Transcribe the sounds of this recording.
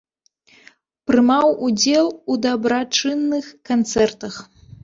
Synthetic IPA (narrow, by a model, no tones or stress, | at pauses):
pɾɨmawud͡zʲɛlˠud̪ɐbɾat͡ʂɨnːɨxkant̪sɛrt̪ɐx